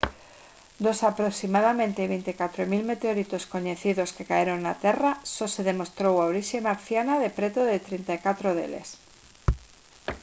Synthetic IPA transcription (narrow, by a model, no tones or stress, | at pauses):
d̪o̞sapɾoksimað̞amẽnt̪eβ̞ejnt̪ikat̪ɾomilme̞t̪eoɾit̪o̞sko̞ɲe̞θiðo̞ske̞kaeɾonːat̪e̞raso̞se̞ð̞e̞mo̞st̪ɾowawɾisjemaɾθjanaðe̞pɾe̞t̪oðet̪ɾent̪ajkat̪ɾoðe̞̰le̞̰s